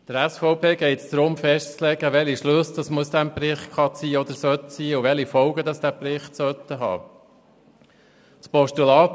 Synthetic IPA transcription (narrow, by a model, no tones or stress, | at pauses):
d̥əɾæsfɔʊpʰeːɡ̥ɛɪtsd̥̪ɾʊmfɛʃtt͡slɛɡəʋɛliʃlɵsd̥ɑsmuəsd̥̪æmprɪχχɑt͡siːɔd̪əɾsœt̪siːuʋɛlifɔʊɡəd̪ɑsd̥̪æpɾɪχtsœt̪ːəɦɑ̰ː | pɔʃtulɑː